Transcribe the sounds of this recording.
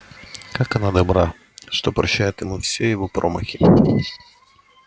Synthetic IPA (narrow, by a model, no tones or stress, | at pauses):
kakɐnad̪ɐbɾa | ʂt̪opɾɐɕːæjɪt̪jɪmufsʲejɪvopɾʔomə̰xʲɪ